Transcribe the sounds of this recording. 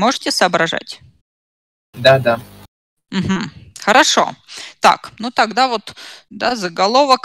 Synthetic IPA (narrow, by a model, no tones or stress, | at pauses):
moʐɨtʲɪsɐːbɾɐʐa̰tʲ | d̪ad̪a | m̩ɦm̩xəɾɐʂo̰t̪a̰knut̪ɐɡd̪avot̪d̪azəɡɐlˠovək